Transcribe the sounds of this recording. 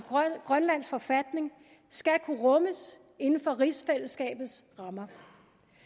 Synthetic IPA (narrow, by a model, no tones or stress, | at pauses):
ɡ̥ʁɶnlæn̰sfɒ̽fæd̥ne̝ŋ | sɡ̥ækʰuʁɔ̽məs | e̝nn̩fɒ̽ʁiːsfel̰əsɡ̥ɛ̰ːb̥ð̩ˠsʁɑ̈mɐ